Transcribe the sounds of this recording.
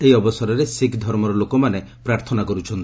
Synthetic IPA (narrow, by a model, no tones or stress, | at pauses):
eiɔbɔsɔɾɔɾesikʰd̪ʱɔɾmɔɾɔlokɔmane | pɾaɾt̪ʰɔnakɔɾut͡ʃʰɔnt̪